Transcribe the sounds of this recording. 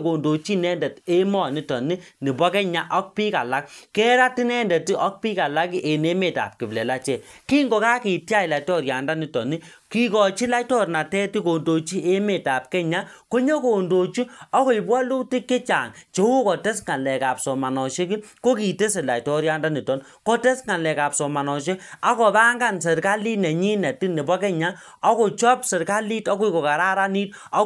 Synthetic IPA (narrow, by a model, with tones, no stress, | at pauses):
ko˨ndo˨t͡ʃi˦nɛ˦ndɛ˨te˦mɔ˦˨ni˦tɔ˨ni˦ni˨bɔ˦kɛ˦ɲa˦ʔɔ˦k̚piː˦ka̰˨la˦k̚kɛ˦ɾa˦ti˦nɛ˦ndɛ˨ti˦ʔɔ˦k̚pi˦ka˨la˦ki˦ʔe˨ne˦me˨ta̰˨p̚ki˨blɛ˨la˦t͡ʃɛ˨ | ki˦ŋɡo˨ka˦ki˨tja˦i˨la˨tɔ˦˨ɾja˨nda˦ni˨tɔ˨ni˦ | ki˦kɔ˨t͡ʃi˦la˦tɔ˦˨ɾna˨tɛ˦ti˦ko˨ndo˨t͡ʃi˦e˦me˨ta˨p̚kɛ˦ɲa˦ko˦ɲo˦ko˨ndo˨t͡ʃu˦ɔ˦ko˨i˨bwɔ˦lu˦ti˦kːe˦t͡ʃa̰˨ŋt͡ʃe˨˦wu˦kɔ˨te˦sŋa˨lɛ˨ka˨p̚sɔ˨ma˨nɔ˨ʃe˦ki˦ko˦ki˨te˦se˨la̰˨tɔ˦ɾja˦nda˦ni˨tɔ˨n | kɔ˦te˦sŋa˨lɛ˨ka˨psɔ˨ma˨nɔ˨ʃ̬e˦a˦kɔ˨ba˦ŋɡa˦˨ns̬e˨ɾka˦li˦nɛ˨ɲi˦nɛ˨ti˦ne˨bɔ˦kɛ˦ɲa˦ | ɔ˦ko˨t͡ʃɔ˦psɛ˨ɾka˦li˦tɔ˦ku˦i˦ko˨ka˨ɾa˦ɾa˦ni˦t | ɔ˦